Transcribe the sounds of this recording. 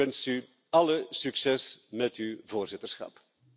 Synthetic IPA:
ɛnsy | ɑləsyksɛsmɛtyvoːrzɪtərsxɑ̰p

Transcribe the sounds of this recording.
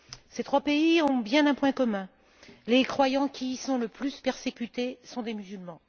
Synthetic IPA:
set̪χwapeiɔ̃bjɛ̃nɛ̃pwɛ̃kɔmɛ̃ | lekχwajɑ̃kʲisɔ̃ləplyspɛʁsekʲyt̪esɔ̃d̪emyzylmɑ̃

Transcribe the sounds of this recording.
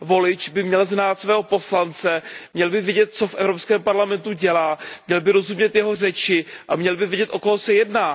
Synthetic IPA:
vo̞lɪt͡ʃbɪmɲɛlznaːt̪svɛːɦo̞po̞slant͡sɛmɲɛlbɪvjɛɟɛt̪̚t͡so̞fʔɛvɾopskɛːmpaɾlamɛnt̪uɟɛlaːmɲɛlbɪɾo̞zɦumɲɛt̪jɛɦo̞r̝ɛt͡ʃɪʔamɲɛlbɪvjɛɟɛt̪ʔo̞koɦosɛjɛdnaː

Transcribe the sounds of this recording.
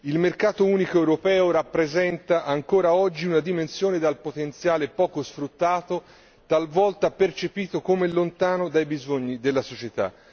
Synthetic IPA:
ilmerkaːt̪ouːnikoewɾopɛːoɾapːɾezɛnt̪aʔaŋkoːɾaɔd͡ʒːiunad̪imensjoːned̪alpot̪ent̪sjaːlepɔːkosfɾut̪ːaːt̪o | t̪alvɔlt̪apert͡ʃepiːt̪okomelːont̪aːnod̪ajbizoɲːid̪elːasot͡ʃet̪a̰

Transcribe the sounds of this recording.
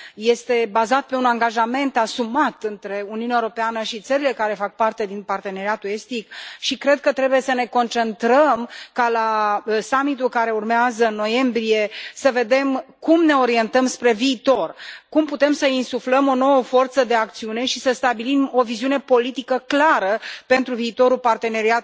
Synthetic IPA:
je̞st̪e̞bazat̪̚pe̞unaŋɡaʒame̞nt̪asumat̪ɨnt̪ɾe̞uniunaeoɾo̞peanəʃit̪səɾile̞kaɾe̞fak̚part̪e̞d̪inpart̪e̞ne̞ɾiat̪ue̞st̪ikʃikɾe̞d̪̚kət̪ɾe̞buje̞səne̞ko̞nt͡ʃe̞nt̪ɾəmkalasamit̪̬ulkaɾe̞urmeazəɨnːo̞je̞mbɾije̞səve̞d̪e̞mkumne̞o̞ɾie̞nt̪əmspɾe̞viːt̪o̞rkumput̪e̞msəinsufləmo̞no̞wəfo̞rt̪səd̪e̞ak̚t̪siune̞ʃisəst̪abilimo̞viziune̞po̞lit̪ikəklaɾəpe̞nt̪ɾuviːt̪o̞ɾupart̪e̞ne̞ɾiat̪

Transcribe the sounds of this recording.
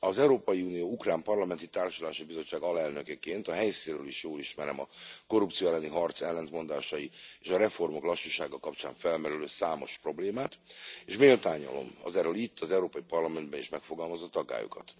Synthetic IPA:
ɒzɛuɾoːpɒjiuːnijoːukraːmpɒrlɒmɛnt̪it̪aːrʃɒlaːʃibizo̞t͡ʃːaːɡɒlɛlnø̞kɛkeːnt̪ɒɦɛjsiːɾøːliʃjoːliʃmɛɾɛ̰mɒko̞rupt̪sioɛlːɛniɦɒrt̪sɛlːɛnt̪mo̞nd̪aːʃɒjieːʃɒɾɛfo̞rmo̞klɒʃːuʃaːɡɒkɒpt͡ʃa̰ːɱfɛlmɛɾyløːsaːmo̞̰ʃpro̞bleːmaːt̪eːʃmeːlt̪aːɲːɒ̰lo̞̰mɒ̰zɛːrøːlit̪ʰːɒzɛwɾoːpɒipɒrlɒmɛnd̪̚bɛniʃmɛkfo̞ɡɒlmɒzot̪ɒɡa̰ːjṵkɒ̰t̪

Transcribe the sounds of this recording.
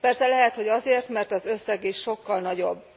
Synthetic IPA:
pɛrsɛlɛɦɛt̪ho̞ɟɒzeːrt̪mɛrt̪ɒzøsːɛɡiʃʃo̞kːɒlnɒɟo̞bː

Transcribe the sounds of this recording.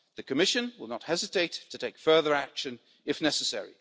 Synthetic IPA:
ðɨkʰɨmɪʃɨ̃nwɪlˠnət̚hɛzɨtʰeɪtʰɨtʰeɪkfɜ˞ðə˞ækʃɨ̃n | ɨfnɛsɨsɛ̰ɹḭ

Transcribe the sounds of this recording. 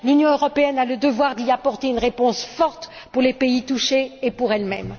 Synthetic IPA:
lynjɔ̃øʁɔpeɛnaləd̪əvwaʁd̪iapɔʁt̪eynʁepɔ̃sfɔʁt̪ | puʁlepeit̪uʃeːpuʁɛlmɛ̰m

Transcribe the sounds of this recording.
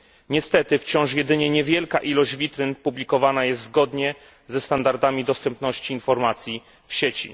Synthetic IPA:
ɲɛst̪ɛt̪ɘft͡ɕɔ̃w̃ʂjɛd̪ɘɲɛɲɛvʲjɛlkaʔilɔʑd͡ʑvʲit̪ɾɘnpublʲikɔvanajɛst̪zɡɔd̪ɲɛ | zɛst̪and̪aɾd̪amʲid̪ɔst̪ɛmpnɔɕt͡ɕiːnfɔɾmat̪sʲji | fɕɛt͡ɕḭ

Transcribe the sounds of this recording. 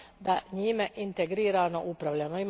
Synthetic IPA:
d̪aɲiːmeʔint̪eɡɾiːɾaːno̞̰ʔupɾaʋʎanoim

